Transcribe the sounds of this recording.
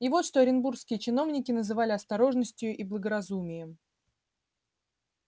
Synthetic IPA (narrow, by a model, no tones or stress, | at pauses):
ivo̞t̪ʂt̪o̞ɐɾʲɪnburskʲɪjət͡ɕɪno̞vnʲɪkʲɪnəzɨvalʲɪɐst̪ɐɾo̞ʐnəsʲtʲjʊʔiblˠəɡəɾɐzumʲɪjəm